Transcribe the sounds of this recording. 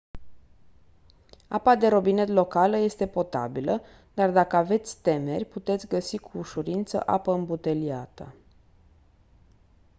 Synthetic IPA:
a̰pad̪e̞ɾo̞bine̞t̪̬lo̞kaləje̞st̪e̞po̞t̪a̰bilə | d̪̥ard̪akəave̞t̪sʲt̪e̞me̞̰rʲput̪e̞t̪sʲɡəsikʰuːʃuɾint̪sə̰ʔa̰pəɨmbut̪e̞lia̰t̪ə̰

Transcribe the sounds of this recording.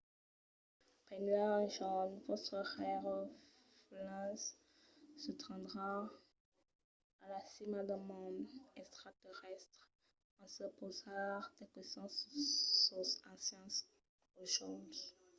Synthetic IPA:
pɛnaʒɔd̪vɔt̪χəʁɛʁ | flɛ̃sː | ət̪ɑ̃d̪ʁa | alasimad̪əmɑ̃d̪ɛkst̪χat̪ɛʁɛst̪χ | ɑ̃səpozaʁd̪ɛkwɛsɑ̃ssosɑ̃sjɑ̃s | oʒɔd̪

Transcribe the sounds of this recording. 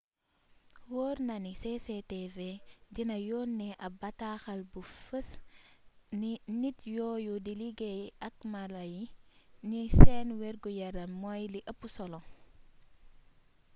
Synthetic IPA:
wɔːɾnɐnisesetevedinɐjɔːnːɛʔɐbɐtaxɐlbufəs | ninitjɔːjudiliɡejɐk̚malɐjinisɛnwɛɾɡujɐɾɐmːɔjliʔɐpːusɔlɔŋ

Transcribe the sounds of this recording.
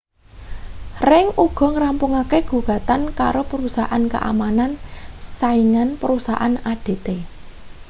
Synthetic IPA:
rɪŋʔuɡ̥ɔ̤ŋɾampʊŋakeɡ̥ṳɡ̥a̤t̪anka̰ɾopəɾusaʔanka̰ʔa̰manansaiŋanpəɾusa̰ʔanaɖ̥e̤t̪e

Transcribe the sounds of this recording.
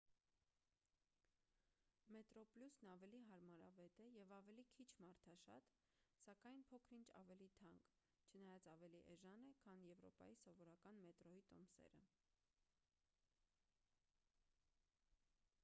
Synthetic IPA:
mɛt̪ɾɔpljusnɑvɛliɦɑɾmɑɾɑvɛt̪ɛjɛvɑvɛlikʰit͡ʃʰmɑɾt̪ʰɑʃɑ̰t̪ | sɑkɑjnpʰɔkʰɾint͡ʃʰɑ̰vɛlit̪ʰɑŋk | t͡ʃʰənɑjɑt͡sɑvɛliʔɛʒɑnɛkʰɑnjɛvɾɔ̰pɑ̰jisɔvɔɾɑkɑnmɛt̪ɾɔit̪ɔmsɛ̰ɾə̰

